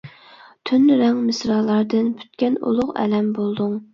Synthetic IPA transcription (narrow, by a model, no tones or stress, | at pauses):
t̪ʰynɾɛŋmɪsɾɑːlˠɑɾd̪ɨnpʰy̥t̪kʲɛnṵlˠʊqɛ̰lɛmbolˠd̪uŋ